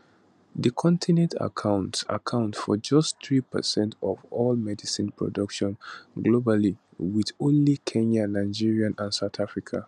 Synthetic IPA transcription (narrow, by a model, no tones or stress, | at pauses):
ðəkʰɔ̃ntʰinɛ̃ntʰa̰kʰãʊ̃nta̰kʰãʊ̃ntfɔd͡ʒʌstθɹipə̰sɛ̃ntʰɔvɔlmɛdisĩnpʰɹɔ̰dʌkʃɔ̃nɡlobali | wiðõnlikʰɛ̃nanaɪd͡ʒiɹiãnãnsaʊtafɹikʰa̰